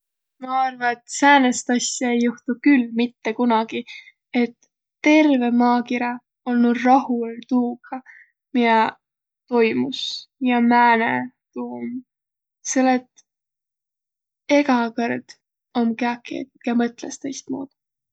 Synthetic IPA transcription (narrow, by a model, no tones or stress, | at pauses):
mɑɑrvɑet̪sæːnest̪ɑsjɑe̞jːuht̪ukylmit̪ːe̞kunɑɡ̥i | e̞t̪ː | e̞rve̞mɑːkiɾɑ | olnud̪rɑhult̪uːɡ̥ʰɑ | miɑ | t̪o̞jmusjɑmæːnḛ | t̪uːm | selːet̪ | e̞ɡ̥ɑkɤrd̪̥ | o̞mkeɑkːˑḛt̪kɑmɤt̪ˑlest̪ejst̪̚mṵːd̪̥